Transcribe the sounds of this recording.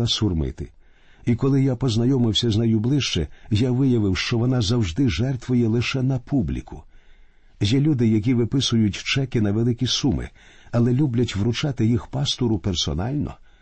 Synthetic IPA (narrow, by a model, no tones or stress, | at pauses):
ɐsʊrmɪ̰t̪ɪ | ikɔlˠɪjapɔznɐjɔmɪwsʲɐznɐjʊblˠɪʃt͡ʃɛ̰jaʋɪjɐʋɪwʃt͡ʃɔʋɔn̪ɑzɐwʒd̪ɪʒɛrt̪ʋʊjɛlˠɪʃɛnɐpʰublʲḭkʰʊ | jɛlʲud̪ɪjɐk̬ʲiʋɪpɪsʊjʊtʲt͡ʃɛkɪnɐʋelˠɪkʲisumɪ̰ | ɐlˠɛlʲublʲɐtʲʋɾʊt͡ʃɑt̪ɪjixpɑst̪ɔɾʊpɛrsɔ̰nɑlʲnɔ̰